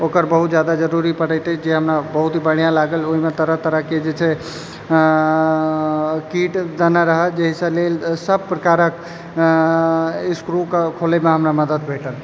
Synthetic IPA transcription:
okəɾbəɦut̪d͡ʒjad̪ad͡ʒəɾuɾipəɽəjt̪ɛd͡ʒeɦəmɾabəɦut̪bəɽ̤̃jãlaɡəloɦimet̪əɾəɦt̪əɾəɦked͡ʒet͡ʃʰɛ | kiʈd̪ənaɾəɦəld͡ʒeɦisə̃lelsəb̚pɾəkaɾək | iskɾukkʰolemeɦəmɾaməd̪əd̪bʱeʈəl

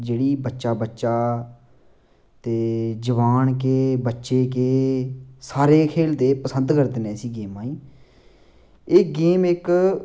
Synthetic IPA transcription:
d͡ʒeːɽiːbətːʃaːbətːʃaː | t̪eːd͡ʒəʋaːnkeːbətːʃeːkeːsaːɾeːkʰeːlt̪eːpəsənd̪kəɾd̪nẽːsiːɡeːmãːiː | eːɡeːmɪk

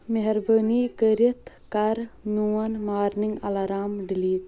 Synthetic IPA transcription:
meɦɐɾbəːnikəɾit̪ | kɐɾnuːɐnmaːɾniŋɡɐlaɾaːmɖiliːt̪

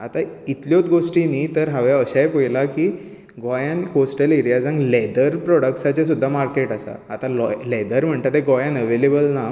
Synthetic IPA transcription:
at̪ait̪ljot̪ɡosʈĩniːt̪əɾɦaʋjaəɕajpojlakiː | ɡɔjankosʈəleɾjad͡zãŋɡlɛd̪əɾpɾɔɽəksat͡ɕas̬ud̪ʱːamaɾkeʈasa̰at̪alɔlɛd̪əɾm̤əɳt̪at̪ɛɡɔjãnəʋelebəlna

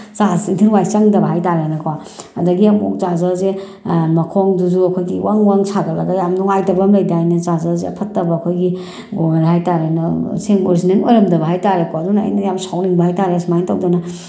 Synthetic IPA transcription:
t͡ʃazitʰiɾwajt͡ʃɐŋdɐbɐɦajtaɾenɐkʰa | ɐdɐɡiamɔ̰k̚zazɐze | mɐkʰɔŋduzuɐkʰojɡiwʔaŋwaŋsʰaɡɐlɐɡajamnɔŋajtɐbɐmlɐjdajnɐzazazeɐ̰pʰɐtːɐbɐːkʰojɡi | ɡoŋaɾiɦajtaɾenɐseŋoɾsinenojɾɐmdɐbɐɦajtaɾekɔɐduna̰ːjnɐjamsawniŋbɐhajtaɾesmajntawdɔnɐ

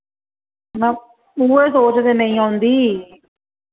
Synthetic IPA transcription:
nãː | uːesoːt͡ʃd̪eːnəĩːãːʊnd̪iː

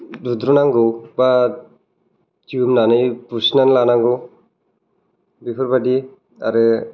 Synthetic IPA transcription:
dud̪ɾunaŋɡoba | tiumnanɯjpusnanlanaŋɡɯ | bipʰɔɾbadi | a̰ɾɯ

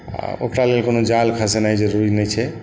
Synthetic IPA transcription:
a̰o̰kɾalelkonod͡ʒalkʰəsenajd͡ʒəɾuɾinɛjt͡ʃʰɛ

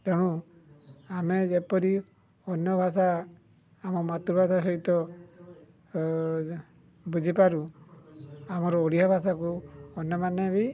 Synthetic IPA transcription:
keɽ̃ũ | amed͡ʒepɔɾi | ɔnjɔbʱas̬aː | mɔmat̪ɾubʱasas̬ɔɦit̪ɔ | bud͡ʒʱipaɾu | amɔɾɔoɽiɦabʱasakuɔnjɔmanebi

